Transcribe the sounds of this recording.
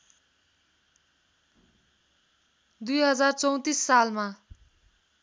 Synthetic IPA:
d̪ujɦʌd͡zart͡sʌw̃t̪isːalma

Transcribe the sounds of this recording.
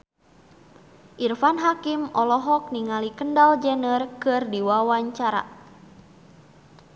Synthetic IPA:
ʔirfanɦakimʔɔlɔɦɔk̚niŋalikəndald͡ʒənərkɨrdiwawaɲt͡ʃaɾa̰

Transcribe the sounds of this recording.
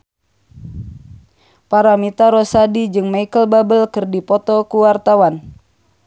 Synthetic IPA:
paɾamit̪aɾɔsadid͡ʒɨŋmaikəlbabəlkɨrdipɔt̪ɔkuwart̪awan

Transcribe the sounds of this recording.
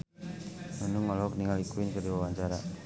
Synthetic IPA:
mənuŋɔlɔkniŋalikuinkədiwawaɲt͡ʃaɾa

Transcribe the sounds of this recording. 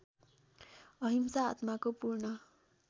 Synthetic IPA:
ʌɦimsaːt̪makopuɾɳʌ

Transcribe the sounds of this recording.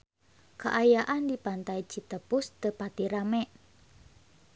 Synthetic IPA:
kaʔajaʔandipant̪ait͡ʃit̪əpʊst̪əpat̪iɾamɛʔ

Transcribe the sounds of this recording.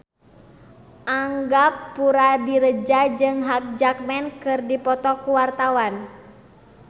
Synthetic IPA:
ʔaŋɡapːuɾadiɾəd͡ʒad͡ʒɨŋɦak̚d͡ʒak̚mɛnkɨrdipɔt̪ɔkuwart̪awan

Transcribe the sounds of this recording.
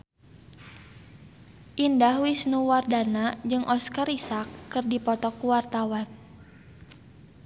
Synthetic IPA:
ʔindahwisnuwardanad͡ʒɨŋʔɔskarisakːɨrdipɔt̪ɔkuwart̪awan

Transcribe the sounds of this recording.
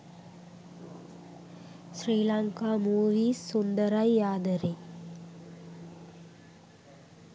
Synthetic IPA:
sɾiːlaŋkaːmuːʋiːssund̪əɾajːaːd̪əɾe

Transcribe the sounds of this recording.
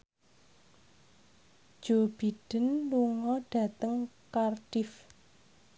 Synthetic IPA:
d̥ʒ̥o̤b̥iɖ̥ə̤nluŋɔɖ̥ä̤t̪əŋkarɖɪf

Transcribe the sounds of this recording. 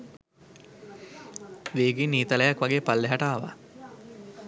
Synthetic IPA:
ʋeːɡinːiːt̪ɐləjakʋaɡeːpalːeɦaʈaːʋa̰

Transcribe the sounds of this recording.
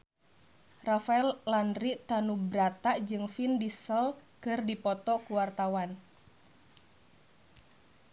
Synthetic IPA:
rafaɛllandɾiʔt̪anubɾat̪aʔd͡ʒɨŋfindisəlkɨrdipɔt̪ɔkuwart̪awan

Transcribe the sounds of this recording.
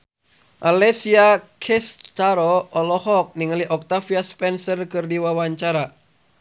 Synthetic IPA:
ʔalɛsiakʰɛst̪aɾɔʔɔlɔhɔk̚niŋəliʔɔk̚t̪afiaspɛnsərkɨrdiwawaɲt͡ʃaɾa

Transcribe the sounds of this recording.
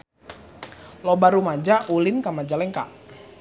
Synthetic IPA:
lobaɾumad͡ʒaʔulɪnkamad͡ʒalɛŋka̰ʔ

